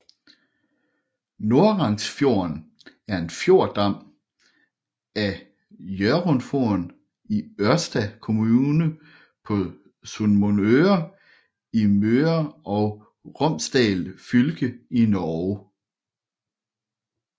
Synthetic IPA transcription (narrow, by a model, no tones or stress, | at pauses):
no̝ɐʁɑ̈ŋsfjo̝ɐn | æɐe̝nfjo̝ɐ̰d̥ɑ̈m̰ | æ | jøɐʁonfon | iɶɐsd̥ækʰo̝muːnə | pʰɒ̽ | sunmonøɐ | imøɐɒ̽ʊ | ʁɔ̽m̰sd̥ɛ̰ːlfylɡ̥əinɒ